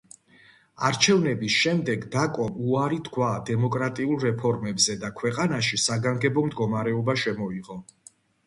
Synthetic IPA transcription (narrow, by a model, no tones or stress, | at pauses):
aɾt͡ʃʰɛvnɛbisʃɛmd̪ɛɡd̪akʼɔmuaɾit̪ʰkʰwad̪ɛmɔkʼɾat̪ʼiulˠɾɛpʰɔɾmɛbzɛd̪akʰwɛqʼanaʃisaɡaŋɡɛbɔmd̪ɡɔmaɾɛɔbaʃɛmɔiʁɔ